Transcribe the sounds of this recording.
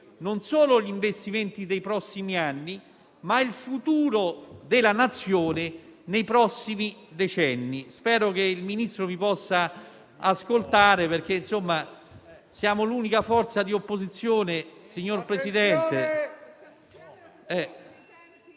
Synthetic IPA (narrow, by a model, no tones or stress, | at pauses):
nonsoːloʎiɱvest̪iment̪id̪ejpɾɔsːimianːi | mailfut̪uːɾod̪elanat̪sːjoːnenejpɾɔsːimid̪et͡ʃɛnːispɛːɾok̟eilminist̪ɾovipɔsːa | askolt̪aːɾeperk̟einsomːa | sjaːmoluːnikafɔrt̪sad̪iopːozit̪sːjoːnesiɲːorpɾesid̪ɛnt̪e | ɛ